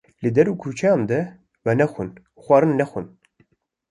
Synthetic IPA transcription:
lɨd̪ɛɾuːkʰut͡ʃʰɛjɑ̃ːnd̪ɛ | vɛnɛxun | xʷɑːɾɨnːɛxun

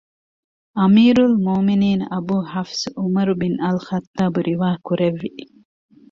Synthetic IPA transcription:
ɐmiːɾulmoːminiːnɐ̰buːhɐfsumɐɾubinɐlxɐt̪ːaːbuɾʔiʋaːkuɾeʋːiʔ

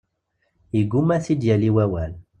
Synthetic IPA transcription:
iɡumæθid̪jæliwæwæl

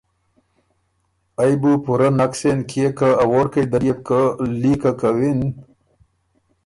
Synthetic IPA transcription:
ajbupuɾanaksenkʰiekaːwoɖkajd̪aɾjekəlikakawin

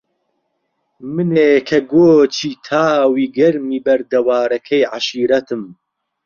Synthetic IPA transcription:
mɨneːkʰɐɡoːt͡ʃʰiːt̪ʰaːwiːɡɐɾmiːbɐɾd̪ɐwaːɾɐkʰɐjʕaʃiːɾɐt̪ʰɨm

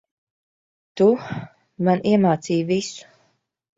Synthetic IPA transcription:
t̪u | maniɛmaːt̪siːjvisu̥

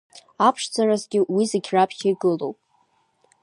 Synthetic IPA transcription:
apʰʂd͡zarazɡʲɪwizaɡʲʰrapʰχʲaiɡɨlowpʼ

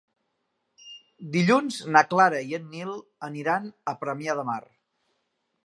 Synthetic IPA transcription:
d̪iʎunznaklaɾəiənːilˠəniɾanəpɾəmjaðəmar

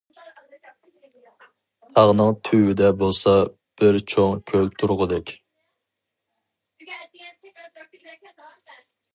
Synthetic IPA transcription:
t̪ʰɑʁnɨŋt̪ʰywɪd̪ɛbolˠsɑ | b̥ɪɾt͡ʃʰoŋkʲʰølt̪ʰuɾʁʊd̪ɛkʲ

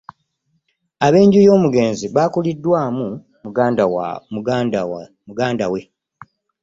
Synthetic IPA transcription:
aβe̞ːɲɟujo̞ːmuɡe̞ːnziβaːkulidːwaːmu | muɡaːndawa̰mu | muɡaːndawe̞

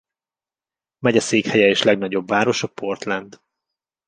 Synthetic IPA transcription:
mɛɟɛseːkhɛjɛeːʃlɛɡnɒɟo̞bvaːɾo̞ʃɒpʰo̞rt̪lɛnd̪

